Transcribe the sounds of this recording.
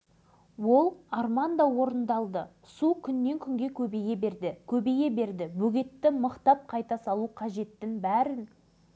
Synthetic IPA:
wo̞lˠɑrmɑnd̪ɑwo̞ɾənd̪ɑlˠd̪ə | sukʲʰʏnːe̞ŋkʲʰʏŋɡʲe̞kʲʰɵbe̞ɡʲe̞be̞ɾd̪ɪkʲʰɵbe̞ɡʲe̞be̞ɾd̪ɪbɵɡʲe̞t̪ːɪməqt̪ɑp̚qʰɑjt̪ɑsɑlˠuqʰɑʒe̞t̪ːɪŋbæɾɪn

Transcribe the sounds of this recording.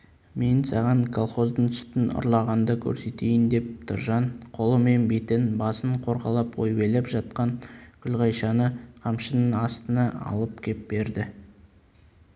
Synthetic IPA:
me̞nsɑʁɑɴkʰo̞lˠχo̞zd̪ənt̪ʰʏst̪ɪnʊ̰ɾlˠɑʁɑnd̪əkʲʰɵ̰ɾse̞t̪e̞jɪnd̪e̞p̚t̪ʰəɾʒɑnqʰo̞lˠəme̞nbe̞t̪ɪnbɑsəɴqʰo̞ɾʁɑlˠɑpqʰo̰jbe̞lepʒɑt̪̚qɑnkʲʰʏlʁɑjʃɑnəqʰɑmʃənənɑst̪ənɑɑ̰lˠəpkʲʰep̚be̞ɾd̪ɪ

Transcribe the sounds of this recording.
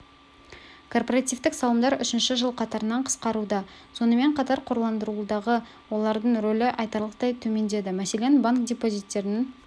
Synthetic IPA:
kʰo̞rpoɾat̪ivt̪ɪksɑlˠəmd̪ɑɾʏʃɪnʃɪʒəlˠqʰɑt̪ɑɾənɑɴqʰə̥sqɑɾud̪ɑso̞nəme̞ɴqʰɑt̪ɑɾqʰoɾlˠɑnd̪əɾud̪ɑʁə | wo̞lˠɑɾd̪əɴɾolɪʔɑjt̪ɑɾlˠəqt̪ɑjt̪ʰɵme̞nd̪e̞d̪ɪmæse̞le̞nbaŋkd̪ʲepo̞zijt̪ːe̞ɾɪnɪn

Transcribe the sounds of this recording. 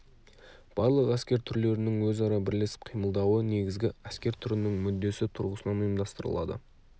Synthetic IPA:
b̥ɑɾlˠəqæskʲe̞ɾt̪ʰʏɾle̞ɾɪnɪŋwɵzɑɾɑbɪɾle̞sɪ̥p̚qʰijməlˠd̪ɑwəne̞ɡʲɪzɡʲɪæskʲe̞ɾt̪ʰʏɾɪnɪŋmʏd̪ːe̞sɪt̪ʰʊɾʁəsənɑnujəmd̪ɑst̪əɾə̰lˠɑ̰d̪ə̰

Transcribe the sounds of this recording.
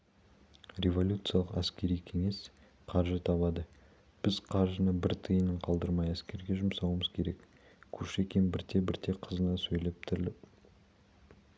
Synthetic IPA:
rʲe̞vo̞lʲut̪sɨjalˠəqæskʲe̞ɾijkʲʰe̞ŋe̞s | qʰɑɾʒət̪ʰɑβɑd̪ə | b̥ɪzqʰɑɾʒənəbɪɾt̪ʰəjənəɴqʰɑlˠd̪əɾmɑjæskʲe̞ɾɡʲe̞ʒʊmsɑwəməz̥kʲʰe̞ɾe̞k | kʲʰɵʃe̞kʲenbɪɾt̪ʰe̞bɪɾt̪ʰe̞qʰəzənɑsɵjle̞p̚t̪ʰɪɾɪlɪp

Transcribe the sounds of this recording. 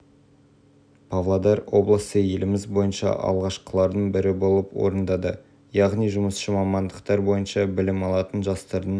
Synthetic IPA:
pʰavlˠad̪ɑɾwo̞blˠəsəje̞lɪmɪzbo̞jənʃɑ̰ʔɑ̰lˠʁɑʃqə̥lˠɑɾd̪əɴbɪɾɪbo̞lˠəpwo̞̰ɾənd̪ɑd̪ə | jɑʁnijʒʊməsʃəmɑmɑnd̪əqt̪ɑɾbo̞jənʃɑbɪlɪmɑlˠɑt̪ənʒɑst̪ɑɾd̪ə

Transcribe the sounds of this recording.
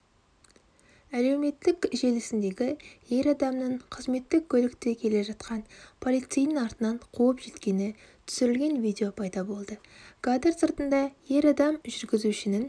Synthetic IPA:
æle̞wme̞t̪ːɪkʲʒe̞lɪsɪnd̪e̞ɡʲɪje̞ɾɑd̪ɑmnəɴqʰəzme̞t̪ːɪk̚ʲʰːɵlɪkt̪ekʲʰe̞le̞ʒɑt̪̚qʰɑnpʰo̞lˠijt̪sijnənɑɾt̪ənɑɴqʰuwəpʒ̥e̞t̪kʲe̞nɪ | t̪ʰʏ̥sɪɾɪlɡʲe̞nvid̪ʲeo̞pʰɑjd̪ɑbo̞lˠd̪ə | ɡ̥ad̪eɾsəɾt̪ənd̪ɑje̞ɾɑd̪ɑmʒʏɾɡʲɪzuʃɪnɪn

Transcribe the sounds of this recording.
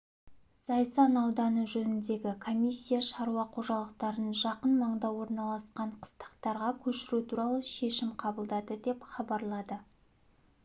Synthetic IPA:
sɑjsɑnɑwd̪ɑnəʒɵnɪnd̪e̞ɡʲɪkʰo̞mʲijsʲːijaʃɑɾuɑqʰo̞ʒɑlˠəqt̪ɑɾənʒɑqənmɑɴd̪ɑwo̞ɾnɑlˠɑsqɑɴqʰə̥st̪ə̥qt̪ɑɾʁɑkʲʰɵʃɪɾut̪ʰuɾɑlˠəʃe̞ʃɪmqʰɑbəlˠd̪ɑd̪əd̪e̞pχɑbɑɾlˠɑd̪ə

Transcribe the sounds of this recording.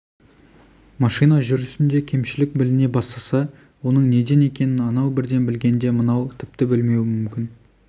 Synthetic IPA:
mɑʃijnɑʒʏɾʏsɪnd̪e̞kʲʰe̞mʃɪlɪk̚bɪlɪne̞bɑst̪ɑsɑ | wo̞nəɴne̞d̪e̞ne̞kʲe̞nɪnɑnɑwbɪɾd̪e̞nbɪlɡʲe̞nd̪e̞mənɑwt̪ʰɪpt̪ɪbɪlme̞wɪmʏmkʲɪn

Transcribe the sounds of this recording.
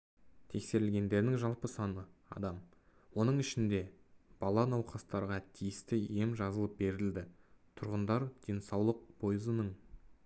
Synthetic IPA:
t̪ʰe̞kse̞ɾɪlʲɡʲe̞nd̪e̞ɾd̪ɪŋʒɑlˠpəsɑnəɑ̰d̪ɑm | wo̞nəɴɪʃɪnd̪e̞b̥ɑlˠɑnɑwqɑst̪ɑɾʁɑt̪ʰijɪst̪ɪe̞mʒɑzəlˠəp̚be̞ɾɪld̪ɪt̪ʰʊɾʁənd̪ɑɾd̪̥e̞nsɑwlˠəq̚bʰo̞jəzənəɴ

